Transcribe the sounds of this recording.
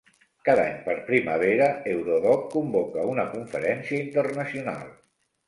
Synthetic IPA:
kaða̰ɲpəɾpɾiməβ̞eɾəewɾoðɔk̚kumbɔkəunəkuɱfəɾɛnsiəint̪ərnəsiuna̰lˠ

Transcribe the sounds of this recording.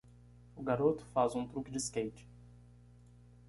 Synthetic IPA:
ʊɡaɾot̪ʊ̥fazũt̪ɾukʲɪd͡ʒɪskejt͡ʃɪ̥

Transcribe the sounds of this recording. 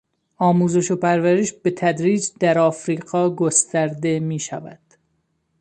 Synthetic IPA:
ɒːmuːze̞ʃo̞pæɾvæɾeʃb̥e̞t̪ʰæd̪ɾiːd͡ʒd̪æɾɒːfɾiːɡɒːɡo̞st̪æɾd̪e̞miːʃæ̰væ̰d̪̥

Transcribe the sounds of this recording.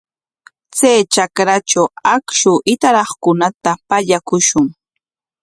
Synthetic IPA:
t͡sajt͡ʃakɾat͡ʃawakʃʊʔɪt̪aɾɑχkʊnat̪apaʎakʊʃʊŋ

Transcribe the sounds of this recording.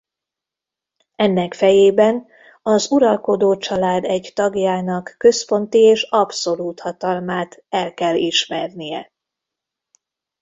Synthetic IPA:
ɛnːɛkfɛjeːbɛn | ɒzuɾɒlko̞d̪oːt͡ʃɒlaːd̪ɛɟt̪ɒɡjaːnɒkːø̞spo̞nt̪ieːʃɒbso̞luːt̪hɒt̪ɒlmaːt̪ɛlkɛliʃmɛrnijɛ̰

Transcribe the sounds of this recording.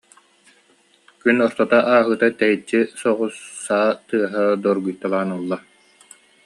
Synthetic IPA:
kynɔɾt̪ɔt̪aʔaːɦɯt̪at̪ɛjit͡ɕːisɔʁusːaːt̪ɯɐɦad̪ɔɾɡujt̪alˠaːnɯlˠːa

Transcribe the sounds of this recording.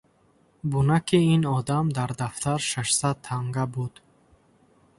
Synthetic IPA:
bunakʰiinɔd̪amd̪aɾd̪aft̪ʰaɾʃaʃsad̪̚t̪ʰaŋɡabud̪̥

